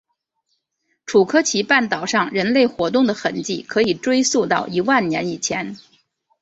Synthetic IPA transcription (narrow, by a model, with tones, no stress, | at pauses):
ʈ͡ʂʰu˨˩kʰɤ˥t͡ɕʰi˧˥pa˥˩nt̪ɑ˨˩ʊʂɑ˥˩ŋɻə˧˥nle˥˩ɪxwɔ˧˥t̪ʊ˥˩ŋd̪ə˩xə˧˩nt͡ɕi˥˩kʰɤ˧˥i˨˩ʈ͡ʂwe˥ɪsu˥˧t̪ɑ˥˩ʊʔi˧˥wa˥˩nnjɛ˧˥ni˨˩t͡ɕʰjɛ˧˥n